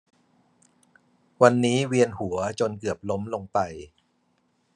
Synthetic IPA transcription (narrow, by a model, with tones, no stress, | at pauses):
wa˧nːiː˦˥wi˧ənhu˩˦ɐt͡ɕo˧nkɯ˨˩əp̚lo˦˥mlo˧ŋpa˧j